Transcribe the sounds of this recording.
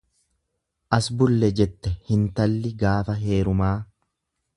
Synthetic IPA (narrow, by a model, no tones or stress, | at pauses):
ʔɐsbʊlːɛd͡ʒɛt̪ːɛhɪnt̪ɐlːɪɡaːfɐɦe̞ːɾʊmaː